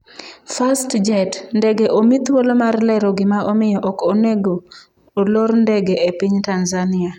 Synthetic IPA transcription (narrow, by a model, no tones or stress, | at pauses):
fastd͡ʒɛtndɛɡeʔomit̪wolomarlɛɾɔɡɪmaomɪjɔʔɔkoneɡoː | lorndɛɡeepiɲtanzanɪa